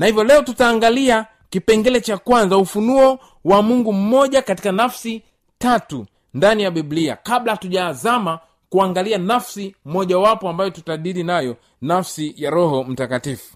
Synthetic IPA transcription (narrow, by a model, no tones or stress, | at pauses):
nahivjɔlɛɔtutaːŋɡalia | kipɛŋɡɛlɛt͡ʃakwanzaufunuɔ | wamuŋɡum̩mɔʄakati̥kanafsi | tatu | ndanijaɓiblia̰kaɓlatuʄazama | kuaŋɡalianafsim̩mɔʄawapɔambajɔtutaɗiɾinajɔ | nafsijaɾɔɦɔm̩takatifu̥